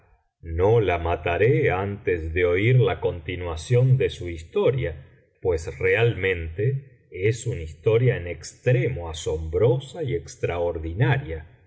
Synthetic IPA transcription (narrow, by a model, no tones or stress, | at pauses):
nolamat̪aɾeant̪ezðeo̞iɾlako̞nt̪inwasjo̞nd̪e̞suist̪o̞ɾja | pwe̞sre̞almẽ̞nt̪e | esunaist̪o̞ɾjaenekst̪ɾemoaso̞mbɾo̞saiekst̪ɾaoɾðinaɾja